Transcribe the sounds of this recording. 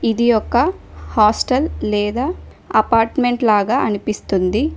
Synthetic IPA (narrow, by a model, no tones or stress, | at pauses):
id̪ijɔkːɐ | haːsʈɐllɛːd̪aː | ɐpaːɾʈme̞ɳʈlaːɡaːʔɐnipist̪und̪i